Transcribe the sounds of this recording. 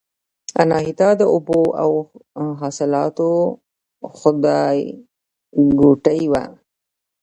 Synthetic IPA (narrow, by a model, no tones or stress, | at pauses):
anɑɦit̪ɑd̪əʊboʔa̰wɦɑsɪlɑt̪o | xʊd̪ɑj | ɡuʈəjwa̰